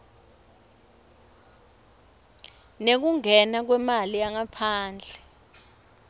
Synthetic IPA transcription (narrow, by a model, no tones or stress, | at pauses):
nek̬uŋɛnak̬wɛmaliaŋapʰaːnd͡ɮʱɛ